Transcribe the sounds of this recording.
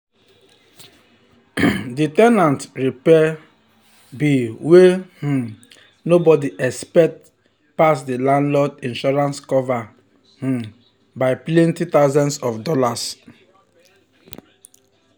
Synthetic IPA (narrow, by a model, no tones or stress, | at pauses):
ditɛnãntɹipɛ | biweh̩ | nobɔdiʔɛkspɛk̚t | pas̬dilãnlɔdĩnʃɔɹãnskɔva | h̩ | baɪpleĩntut̪aʊzɔ̃nsɔfdɔlas